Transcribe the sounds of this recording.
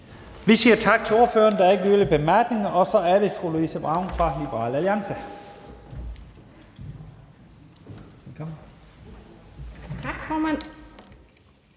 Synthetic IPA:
ʋisiːɐt͡sʰɑ̈ɡ̥̚t͡sʰe̝o̝ɐføːɐnd̥ɑ̈ɐeɡəløːləb̥e̝mæɐɡ̥ne̝ŋɐʔɒ̽sɒ̽æɐɾe̝soloisəb̥ʁɑ̈ʊnfʁɑ̈lib̥ɐʁɑ̰̈ːlæliɑ̈ŋsə | kʰɒm | t͡sʰɑɡ̥fɔːmæn̰

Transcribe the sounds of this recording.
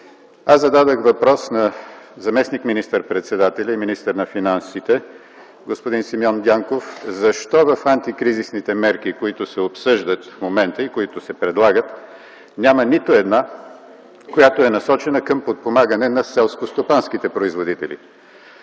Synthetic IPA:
azɐd̪ad̪əxvɐpɾɔsnɐzɐmɛsnikminist̪əɾpɾɛt̪sɛd̪at̪ɛlʲɐiminist̪əɾnɐfinansit̪ɛ | ɡospod̪insimjɔnd̪ʲaŋkofzɐʃt̪ɔvəfant̪ikɾizisnit̪ɛmɛɾk̟ikoit̪ʊsɛopsɤʒd̪ət̪fmomɛnt̪əikoit̪ʊsɛpɾɛd̪lˠaɡət̪ | nʲamənit̪oɛd̪na | kojat̪oɛnɐsɔt͡ʃɛnəkɐmpot̪̚pomaɡənɛnɐsɛlˠskost̪opanskit̪ɛpɾoizvod̪it̪ɛlʲḭ

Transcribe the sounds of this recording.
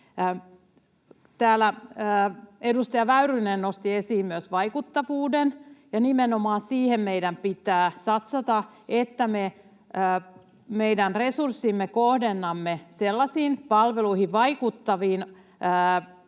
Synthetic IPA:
t̪æːlːæː | edust̪ɑjɑʋæyɾynennost̪iesiːmmyøsʋɑikut̪ːɑʋuːdenjɑnimenomɑːnsiːhemmeidæmpit̪æːsɑt̪sɑt̪ɑet̪ːæme | meidænresursːiːmːekohdenːɑmːeselːɑsiːnpɑlʋeluihiʋʋɑikut̪ːɑʋiːnː

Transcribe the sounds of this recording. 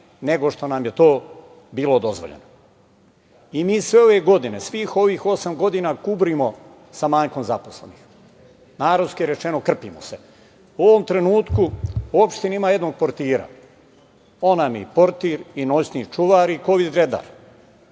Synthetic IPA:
ne̞ɡo̞ʃt̪o̞namje̞t̪o̞ː | biːlo̞d̪o̞zʋo̰ʎḛno | imiːsʋe̞o̞ʋe̞ɡo̞d̪inesʋiːxo̞ʋiːxo̞samɡo̞d̪inakubɾimo̞ | samaːɲko̞mzapo̞slḛnix | naːɾod̪skijeɾet͡ʃe̞nokr̩piːmo̰se̞ | uo̞ʋo̞mt̪ɾe̞nuːt̪kuuopʃt̪inimaːje̞d̪noɡ̚poɾt̪iːɾa̰ | onamjḭpo̞ɾt̪iːɾino̞sniːt͡ʃuʋaːɾiko̞ʋid̪ɾe̞d̪a̰ːɾ

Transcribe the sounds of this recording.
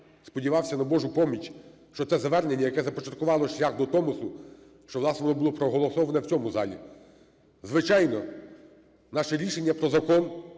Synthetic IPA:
spɔdʲiʋɑwsʲɐnɐbɔʒʊpɔmʲit͡ʃʲ | ʃt͡ʃɔt̪sɛzɐʋɛrnenʲːɐjɐkɛzɐpɔt͡ʃɐt̪̚kʊʋɑlˠɔʃlʲaxd̪ɔt̪ɔmʊsʊ | ʃt͡ʃɔʋlˠɑsnɛʋɔnɔbʊlˠɔpɾɔɦɔlˠɔsɔʋɐnɛwt͡sʲɔmʊzɑ̰lʲḭ | zʋɪt͡ʃɑjnɔ | nɑʃɛɾʲiʃenʲːɐpɾɔzɐkɔn

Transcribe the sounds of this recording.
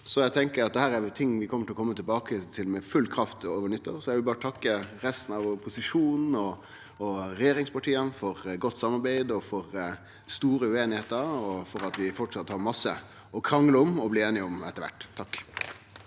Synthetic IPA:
sɔjæɪt̪ʰɛŋkəɾɑt̪̚d̪ɛhæːɾæɾt̪ʰɪŋːʋɪkʰɔməʈʰɪlɔkɔmːət̪ʰɪlbɑːkət̪ʰɪlmɛfʉlkʰɾɑft̪oːʋəɳʏt̪ːəɾsɔjæɪʋɪlbɑːɾət̪ʰɑkːəɾɛst̪n̩ɑʋɔpʰʊsɪʂuːnn̩ɔː | ɾɛjeːɾɪŋspɑʈʰiːənfɔɾɡɔt̪ːsɑmːɑɾbæɪd̪ɔfɔɾ | st̪uːɾəʉeːnɪheːt̪əɾɔfɔɾɑt̪ʋɪfɔʈʂsɑt̪ːhɑɾmɑsːə̰ | ɔkʰɾɑŋləɔmɔbliːeːnɪɔmɛ̰t̪ːəɾʋæ̰ʈːt̪ʰːɑkː

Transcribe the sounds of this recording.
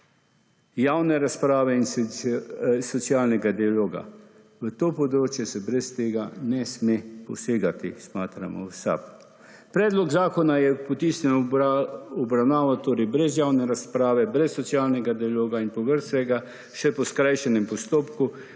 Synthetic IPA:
jaːwnɛɾaspɾaːʋɛins | sɔt̪sijaːlnɛɡad̪ialoːɡa̰ | ʋət̪oːpɔd̪ɾoːt͡ʃjɛsɛbɾɛst̪eːɡanɛsmepɔseːɡat̪ismaːt̪ɾa̰mɔ̰wsa̰p | pɾɛːd̪lɔɡzaːkɔnajɛpɔt̪iːsnʲɛn | ɔbɾawnaːʋat̪oːɾɛjbɾɛzjaːwnɛɾaspɾaːʋɛbɾɛsːɔt̪siaːlnɛɡad̪ialoːɡainpɔʋəɾst̪ʋɛɡa | ʃɛpɔskɾajʃɛnɛmpɔst̪oːpku

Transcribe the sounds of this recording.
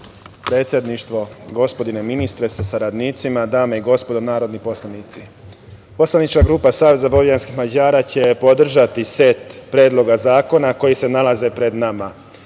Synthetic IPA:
pɾe̞ːt̪sʲje̞d̪niʃt̪ʋo̞ɡo̞spo̞d̪ine̞minist̪ɾe̞sasaɾad̪niːt̪simad̪aːmeiɡo̞spo̞d̪onaːɾo̞d̪nipo̞slˠanit̪si | po̞slanit͡ʃkaɡɾuːpasaːʋe̞zabo̞ʋijanskixmad͡ʑaːɾat͡ɕe̞po̞d̪r̩ʒat̪ise̞t̪pɾeːd̪lˠo̞ɡazaːko̞nako̞jise̞nalaze̞pɾe̞d̪nama

